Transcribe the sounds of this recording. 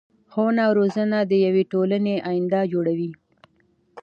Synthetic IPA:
xonawɾozənad̪əjaweʈoləneʔajɪnd̪ad͡ʒoɽawi

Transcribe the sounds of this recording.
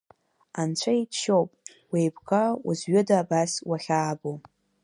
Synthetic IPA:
ant͡ɕʷʰaitʰʃowpʼ | wejbkʰʼaṵzɥʏdaːbaswaχʲaːbo

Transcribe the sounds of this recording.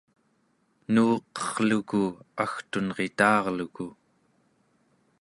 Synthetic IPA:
nuːqʌ̥ʁ̥lukuaxt̪unʁe̞t̪ɑːʁluku

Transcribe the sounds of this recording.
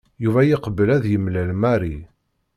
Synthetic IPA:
juvæjiqəbːəlæðjəmlælmæɾi

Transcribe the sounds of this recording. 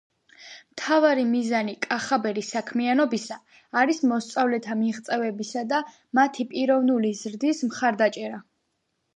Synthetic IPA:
mt̪ʰavaɾimizanikʼaχabɛɾisakʰmianɔbisaː | ɾismɔst̪sʼavlɛt̪ʰamiʁt̪sʼɛvɛbisad̪a | mat̪ʰipʼiɾɔvnulizɾd̪ismχaɾd̪at͡ʃʼɛɾa

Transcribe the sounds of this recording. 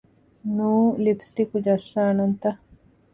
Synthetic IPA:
nuːlipsʈikud͡ʒɐsːaːnɐnt̪ɐ

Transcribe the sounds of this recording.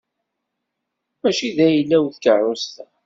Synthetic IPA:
mæʃiðæjəlːæwθkərˤːʊst̪æ

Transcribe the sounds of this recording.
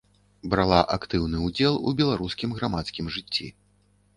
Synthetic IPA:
bɾalˠaʔakt̪ɨwnɨud͡zʲɛlˠṵbʲɛlˠaɾuskʲimɣɾamat̪skʲimʐɨt͡sʲːḭ

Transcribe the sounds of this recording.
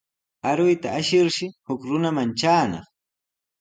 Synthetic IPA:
aɾʊjt̪aːʃɪɾʃɪhʊkɾʊnamant͡ʃaːnɑ̰χ

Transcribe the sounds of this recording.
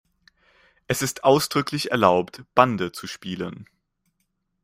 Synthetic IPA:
ʔɛsɪstʔaʊsd̥ʁʏkʰlɪçɛɐlaʊptb̥andət͡suʃpiːlən

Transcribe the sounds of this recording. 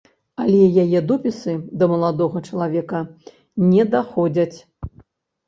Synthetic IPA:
alʲɛjajɛd̪ɔpʲisɨd̪ɐmɐlˠad̪ɔɣɐt͡ʂɐlˠavʲɛkɐ | nʲɛd̪axɔd͡zʲɐt͡sʲ

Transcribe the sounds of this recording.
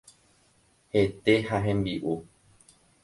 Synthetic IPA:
he̞t̪e̞haɦẽ̞mbiʔu

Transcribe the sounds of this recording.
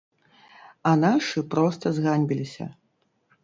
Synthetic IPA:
ɐnaʂɨpɾɔst̪ɐzɣanʲbʲilʲisʲɐ̰

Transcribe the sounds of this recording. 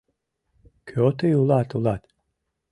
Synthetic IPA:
kʰøot̪ejulˠat̪ulat̪

